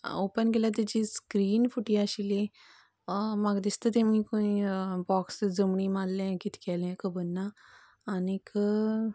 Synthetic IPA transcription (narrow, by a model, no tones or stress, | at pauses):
opənɡelat̪̬jat͡ɕiskɾiːnfuʈiaɕili | maɡd̪ist̪ət̪emĩkoĩbɔksd͡zəmɳiːmallɛ̃kit̪ʰi̥kɛlɛ̃kəbənːaː | nikə